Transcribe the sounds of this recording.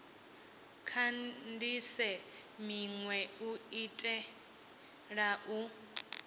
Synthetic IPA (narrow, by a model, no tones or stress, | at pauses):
kʰandisɛmiŋwɛuitʼɛ | ɺaʔu